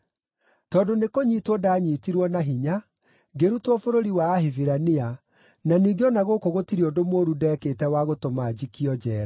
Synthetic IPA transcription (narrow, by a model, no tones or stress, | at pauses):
tɔːdonekoɲiːtwɔdaːɲiːtiɾwɔnaɦiɲa | ɡeɾutwɔfoɾoɾiwaːhiviɾania | naniːɡeɔnaɣokoɣotiɾiodomoːɾudɛːketɛwaɣotomad͡ʑikiɔd͡ʑɛːɾa